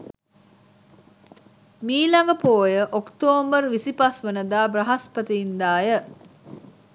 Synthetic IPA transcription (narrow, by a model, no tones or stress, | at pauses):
miːlɐŋɡəpoːjəʔokt̪oːmbərʋisipasʋənəd̪aːbrɐɦɐspət̪iind̪aːjə